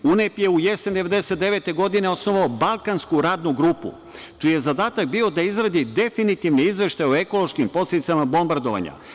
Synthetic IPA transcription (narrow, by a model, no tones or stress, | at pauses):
unepje̞ujesend̪eʋe̞d̪ese̞t̪̚d̪eʋe̞t̪e̞ɡo̞d̪ine̞o̞sno̞ʋaobalˠkanskuɾaːd̪nuɡɾupṵ | t͡ʃijezad̪aːt̪ak̚bio̞d̪aizɾad̪id̪e̞finit̪iʋniizʋe̞ʃt̪ajo̞eko̞lˠo̞ʃkimpo̞sled̪it̪samabo̞mbaɾd̪o̞ʋa̰ɲa̰